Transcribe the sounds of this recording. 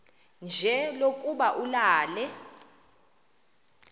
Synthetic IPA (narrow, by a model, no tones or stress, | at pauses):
nd͡ʒʱɛlokʼuɓaʔulaːlɛ